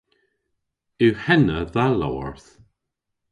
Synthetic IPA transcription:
uhɛnəðalɔ̰wə̰ɹθ

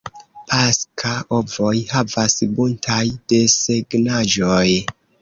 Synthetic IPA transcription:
paskʰaʔovo̞jhavasbuntʰajd̥e̞seɡnaʒoj

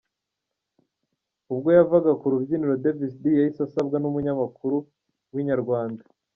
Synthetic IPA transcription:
ubɡo̞javaɡakuɾubɟiniɾo̞de̞visdijajisasabɡanumuɲamakuɾu | wiɲaɾɡwaːndḁ

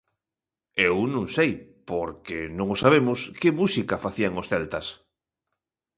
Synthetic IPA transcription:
ewnõŋsejpoɾkenõŋosaβemʊskɪmusikɐfaθiaŋosθɛlt̪ɐs

